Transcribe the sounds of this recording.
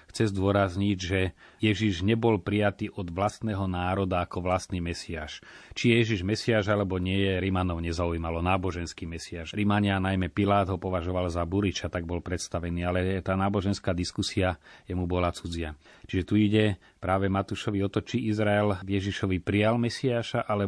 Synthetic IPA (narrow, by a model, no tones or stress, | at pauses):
xt͡sɛzd̪ʊɔɾazɲiɟʒɛjɛʒiʒɲɛbɔlpɾijat̪iːʔɔd̪ʋlast̪nɛːɦɔnaːɾɔd̪aːkɔʋlast̪niːmɛsiaːʃt͡ʃijɛjɛʒiʒmɛsiaːʒalɛbɔɲɪɛjɛɾimanɔʊɲɛzauiːmalɔnaːbɔʒɛnskiːmɛsiaːʒɾimaɲɪanajmɛpilaːd̪ɦɔpɔʋaʒɔʋalzabuɾit͡ʃat̪aɡ̚bɔlpɾɛt̪st̪aʋɛniːalɛt̪aːnaːbɔʒɛnskaːd̪iskusiajɛmubɔlat͡sud͡zɪat͡ʃiʒɛt̪uiɟɛ | pɾaːʋɛmat̪uʃɔʋiɔt̪ɔt͡ʃiʔizɾaɛlɡjɛʒiʃɔʋipɾijalmɛsiaːʃaʔalɛ